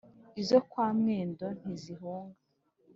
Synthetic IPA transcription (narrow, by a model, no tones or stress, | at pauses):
izokwaːmŋeːndo̞n̥iziɦuːŋɡa